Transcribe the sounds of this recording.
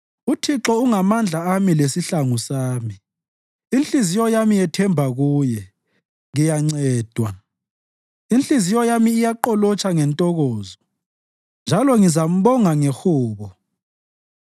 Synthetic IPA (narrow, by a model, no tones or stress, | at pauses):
utʰiǁɔuŋamand͡ɮʱaamilesiɬaŋusaːmi | inɬizijɔjamijɛtʰɛmbʱaɣuːjɛ | ɣijaŋ͡ǀɛːd̥ʱwa | inɬizijɔjamiːjaǃɔlɔt͡ʃʰʼaŋɛntʼɔɣɔːzɔ | nd͡ʒʱalɔŋizam̩βɔŋaŋɛxuːβɔ